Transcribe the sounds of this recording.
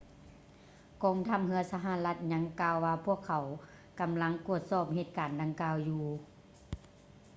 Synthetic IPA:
kɔː˨ŋt̪ʰa˧˥˩m̚ɦɯ˧˥ɐsa˧ɦa˧˨la˧˥t̪̚ɲa˧˥ŋkaː˧wːaː˧pʰu˥˩əkʰːa˨˩˦w | ka˨mla˧˥ŋku˧˩ət̪̚sɔː˧˩p̚he˧˩t̪̚kaː˨nda˧ŋkaː˧wjuː˧

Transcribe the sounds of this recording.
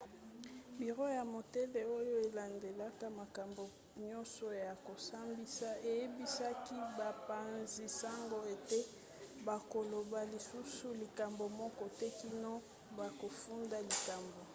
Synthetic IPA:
bi˨ʁo˦ja˨mo˨te˦le˨o˦jo˦e˨la˨nde˨la˦ka˦ma˨ka˨mbo˨ | ɲɔ̃˦nsɔ˨ja˨ko˨sa˦mbi˦sa˦e˨je˦bi˦sa˦ki˦ba˨pa˨nzi˨sa˦ŋɡo˦e˨te˦ | ba˨ko˨lo˨ba˨li˨su˦su˦li˨ka˨mbo˨mɔ˦kɔ˦tɛ˦ki˦nɔ˦ | ba˨ko˨fu˦nda˦li˨ka˨mbo˨

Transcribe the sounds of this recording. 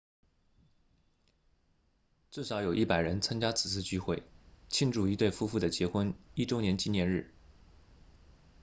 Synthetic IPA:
t͡sɹ̩˥˩ʂɑ˨˧˥ʊjo˨˩ʊʔi˥˩pa˨˩ɪɻə˧˥nt͡sʰa˥ŋt͡ɕja˥t͡sʰɹ̩˨˩t͡sʰɹ̩˥˧t͡ɕy˥˧xwe˥˩ɪt͡ɕʰi˥ŋʈ͡ʂu˥˩i˧˥t̪we˥˩ɪfu˥fu˥˩d̪ə˩t͡ɕjɛ˧˥xwə˥ni˥˩ʈ͡ʂo˥ʊnjɛ˧˥nt͡ɕi˥njɛ˧˥nɻɻ̩˥˩

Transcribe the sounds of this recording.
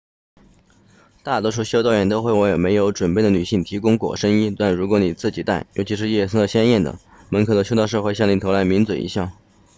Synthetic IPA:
t̪a˥˩t̪wɔ˥ʂ̬u˥˩ɕjo˥ʊt̪ɑ˥˧ʊɥɛ˧˥nt̪o˥ʊxwe˥˩ɪwɔ˧˥jo˨˩ʊme˧˥ɪjo˧˥ʊʈ͡ʂwə˨˩npe˥˩ɪd̪ə˩ny˨˩ɕi˥˩ŋt̪ʰi˧˥kʊ˥ŋkwɔ̰˨˩ʂə˥ŋi˥t̪a˥˩nɻu˧˥kwɔ˧˥ni˨˩t͡sɹ̩˥˩t͡ɕi˨˩t̪a˥˩ɪjo̰˧˥ʊt͡ɕʰi˧˥ʂ̬ɻ̩˥˧jɛ˥˧˩sə˥d̪ə˧˩ɕjɛ˥njɛ˥˩nd̪ə̰˩ | mə˧˥nkʰɤ˨˩ʊd̪ə˩ɕjo˥ʊt̪ɑ˥˧ʊʂ̬ɤ˥˧xwe˥˧ɪɕɑ˥˩ŋni˧˥˩t̪ʰla˧˥ɪmi˧˥nt͡swə̰˨˩ʔḭ˧˥ɕjɑ˥˩ŋ

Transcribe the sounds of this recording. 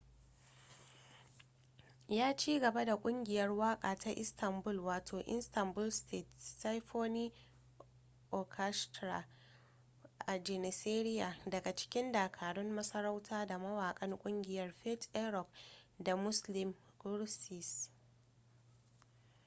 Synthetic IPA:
jaː˦t͡ʃiː˦ɡɐ˨ba˦da˨kʷʼʊ˦ŋɡʲɪ˨jɐ˦rwaː˦kʼaː˨tʰa˦ʔɪ̰˦stʰɐ˨mbʊ˦lwaː˨tʰoː˨ʔɪ̰˦nstɐ˨mbʊ˦lstʰeː˦˨tsa˦jɸoː˦niː˦ | ʔɔ˨kʰa˦stɾa̰˨ | ʔa˨d͡ʒɛ˨nɪ˨seː˦ɾɪ˦ja˨dɐ˨ɡa˨t͡ʃɪ̥˦kʲɪ˦ndaː˨kʰaː˨ɽɔ˦mːɐ˦sɐ˦ɾa˦wtʰaː˦da˨mɐ˦waː˨kʼɐ˦ŋkʷʼʊ˦ŋɡʲɪ˨jɐ˦rɸɛ˦tɛ˦ɾɔ˨kda˨mʊ˦slɪ˨m | ɡʊ˦ɾsɪ˨s

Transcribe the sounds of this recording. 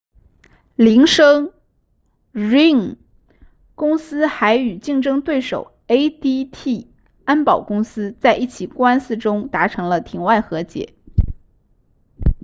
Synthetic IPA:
li˧˥ŋʂɤ˥ŋ | ɻi˥˩ŋ | kʊ˥ŋsɹ̩˥xa˧˥ɪy˨˩t͡ɕi˥˩ŋʈ͡ʂɤ˥ŋt̪we˥˩ɪʂo˨˩ʊ | e˥ɪt̪i˥t̪ʰi˥˩ | a˥npɑ˨˩ʊkʊ˥ŋsɹ̩˥t͡sa˥˧ɪʔi˥˩t͡ɕʰi˨˩kwa˥nsɹ̩˥˩ʈ͡ʂʊ˥ŋt̪a˧˥ʈ͡ʂʰɤ˧˥ŋlə˧t̪ʰi˧˥ŋwa˥˩ɪxɤ˧˥t͡ɕjɛ̰˨˧˩

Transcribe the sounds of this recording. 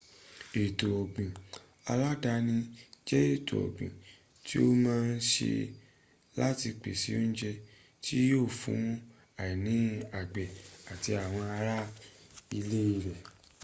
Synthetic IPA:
e˨to˨ɔ˨ɡ͡bĩ˨ | a˧la˦da˧nĩ˧d͡ʒɛ˦e˦˨to̰˨ɔ̰˨ɡ͡bḭ̃˨ | ti˦o˦mãː˦˧n̩˦ʃḛ˧ | la˦ti˧k͡pḛ˨si˨˦n̩˦d͡ʒɛ˧ | ti˦joː˦˨fṵ̃˨˦ | a˨i˨nĩ˨˦a˨ɡ͡bɛ˨a˨ti˧a˨w̃ɔ̃˧a˧ɾa˦i˧le˦i˧ɾɛ˨

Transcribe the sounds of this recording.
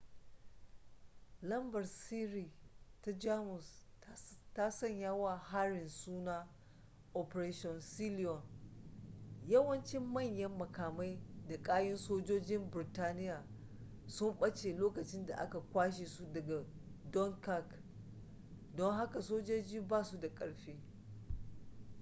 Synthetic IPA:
lɐ˦mbɐ˨rsiː˦ɾiː˨ta˦d͡ʒaː˦mʊ˨s | ta˦sɐ˦˨ɲjaː˦waː˦˨ha˦ɾɪ˨nsuː˦naː˦ | ʔɔ˨pɾeː˦ʃɔ˨nsi˦li˦ɔ˨n | jɐ˦wɐ˦nt͡ʃɪ˦mːɐ˦˨ɲjɐ˦mːɐ˨kaː˨ma˦jda˨kʼaː˦jɪ˦nsoː˦d͡ʒoː˦d͡ʒɪ˦mbɪ˨taː˦nɪ˦jaː˨ | sʊ˦mɓɐ˦t͡ʃeː˨loː˦kɐ˨t͡ʃɪ˦nda̰˨ʔa̰˦ka˨kʷaː˦ʃe˨su˦dɐ˨ɡa˨ | dɔ˦ŋka˦k | dɔ˦ŋɦa˦ka˨soː˦d͡ʒoː˦d͡ʒiː˦baː˦˨su˦da˨kʼɐ˨ɽɸeː˦

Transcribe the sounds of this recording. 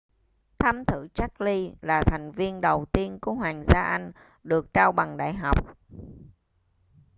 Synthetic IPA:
t̪ʰaː˧mt̪ʰɨ˧˩t͡ɕa˦˥k̚li˧laː˨˩t̪ʰa˨˩jŋ̟vi˧ənɗə˨˩wt̪i˧ənku˨˧˩əɦwaː˨˩ŋzaː˧ʔa˧jŋ̟ | ɗɨ˨˩ək̚t͡ɕaː˧wɓa˨˩ŋɗa̰ː˧˨jɦa˨˩wk͡p̚

